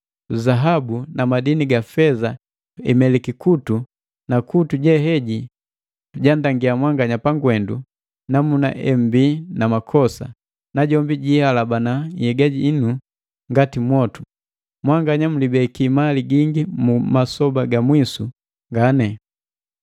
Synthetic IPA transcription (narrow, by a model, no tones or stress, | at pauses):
zaɦabunamadiniɡafɛza | ɛ̰mɛlikikutu | nakutuɟɛɦɛɟi | tuɟandaŋɡiamwaŋɡaɲapaŋɡwɛndu | namuna̰ʔɛm̩binamakʰɔsa̰ | naɟɔmbiɟihalabanajɛɡaɟiːnu | ŋɡatimwɔtu̥ | mwaŋɡaɲam̩libɛkimaliɡiŋɡimumasɔbaɡamwisu | ŋɡanɛ